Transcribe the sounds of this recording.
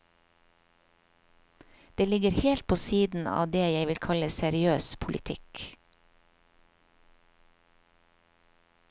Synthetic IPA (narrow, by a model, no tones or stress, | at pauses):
d̪̥eːlɪɡəɾheːlt̪̚pʰoːsiːd̪n̩ɑ̰ːʋd̪eːjæɪʋɪlkʰɑləsɛɾɪøːspʰʊlʔɪ̰t̪ʰɪ̰k